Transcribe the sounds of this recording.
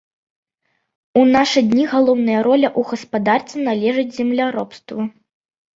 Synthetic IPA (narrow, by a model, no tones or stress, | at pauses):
unaʂɨd̪ʲnʲiɣalˠɔwnɐjɐɾɔlʲɐʔuɣɐspad̪art̪ʲɛnalʲɛʐɨd͡zʲzʲɛmlʲaɾɔpst̪vɐ